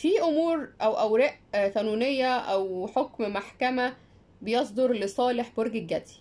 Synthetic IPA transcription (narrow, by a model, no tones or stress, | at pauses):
fiːʔomuːɾʔæwʔæwɾæʔθænuːnejːæʔæwħokmmaħkæmæ | bejɑs̬ˤd̪oɾlesˤɑːleħboɾɡeɡːæt̪i̥